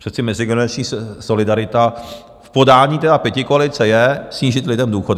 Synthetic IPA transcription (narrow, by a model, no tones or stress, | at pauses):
prɛt͡sɪmɛzɪɡɛnɛɾat͡ʃɲiːso̞lɪdaɾɪt̪a | fpo̞daːɲiːt̪ɛdapjɛcɪkoalɪt͡sɛjɛsɲiːʒɪt̪lɪdɛmduːxod